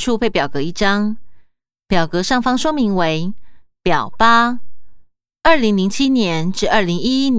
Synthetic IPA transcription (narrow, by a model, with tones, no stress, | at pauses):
ʈ͡ʂʰu˥˧pʰe˥˩ɪpjɑ˨˩ʊkɤ˧˥i˥˩ʈ͡ʂɑ˥ŋ | pjɑ˨˩ʊkɤ˧˥ʂɑ˥˩ŋfɑ˥ŋʂwɔ˥mi˧˥ŋwe˧˥ɪpjɑ˨˩ʊpa˥ | ə˞˥˩li˧˥ŋli˧˥ŋt͡ɕʰi˥njɛ˧˥nʈ͡ʂɻ̩˥˧ə˞˥˩li˧˥ŋi˥i˦˥n